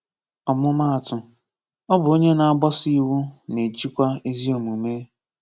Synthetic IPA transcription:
ɔ˨mʊ˦ma˦a˨tʊ˨ | ɔ˦bʊ˨o˦ɲe˦na˨a˦bɔ˦si˦wu˦ne˨t͡ʃi˦kʷa˦i˦zi˦o˨mu˨me˦

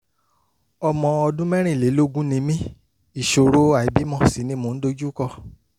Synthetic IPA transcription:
ɔ˧mɔ̃˧ɔ˧dũ˦mɛ̃˦ɾ̃ĩ˦˨le˨˦lo˦ɡũ˦nĩ˧˦mĩ˦ | i˨ʃo˨ɾo˨˦a˨i˨˦bi˦mɔ̃˦˨si˨˦nĩ˦mũ˨˧n̩˦do˧d͡ʒu˦kɔ˧

